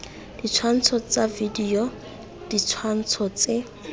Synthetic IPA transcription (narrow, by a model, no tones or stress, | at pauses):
d̥it͡sʰwan̩t͡sʰɔt͡savidiɔ | d̥it͡sʰwan̩t͡sʰɔt͡sɪ